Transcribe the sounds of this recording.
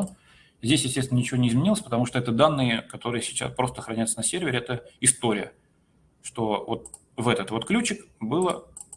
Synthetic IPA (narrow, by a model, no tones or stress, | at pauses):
zʲdʲesʲjɪsʲtʲest̪nʲɪnənʲɪt͡ɕɪvʲonʲɪzmʲɪnʲilˠəsʲpət̪ɐmuʂt̪oɛt̪əd̪anːɨjəkɐt̪o̞ɾɨjəsʲɪ̥t͡ɕa̰spɾo̞st̪əxɾɐnʲajt̪sənɐsʲerʲvʲɪɾʲɪɛt̪əɪst̪oɾʲɪ̰jə̰ | ʂt̪o̞vo̞t̪̚ | vɛt̪ət̪vo̞t̪klʲut͡ɕɪkbɨlˠə